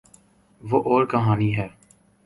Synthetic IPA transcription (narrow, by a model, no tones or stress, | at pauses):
ʋoʔɔːɾkəɦaːniɦɛː